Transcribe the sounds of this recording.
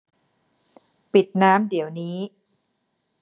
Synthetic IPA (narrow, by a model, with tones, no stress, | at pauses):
pi˨˩t̪̚naː˦˥mdi˩˦wniː˦˥